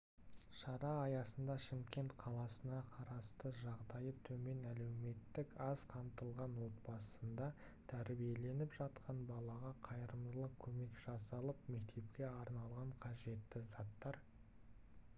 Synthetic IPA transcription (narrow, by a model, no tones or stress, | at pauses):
ʃɑɾɑːjɑsənd̪ɑʃɪmkʲe̞nt̪qʰɑlˠɑsənɑqʰɑɾɑst̪əʒɑʁd̪ɑjət̪ʰɵme̞næle̞wme̞t̪ːɪkɑzqʰɑmt̪əlˠʁɑnwo̞t̪̚bɑsənd̪ɑ | t̪ʰæɾbije̞le̞nɪpʒ̥ɑt̪qʰɑnbɑlˠɑʁɑqʰɑjəɾəmd̪əlˠəkʲʰɵme̞kʒ̥ɑsɑlˠəpme̞k̚t̪ʰe̞pkʲe̞ɑɾnɑlˠʁɑɴqʰɑʒe̞t̪ːɪzɑt̪ːɑɾ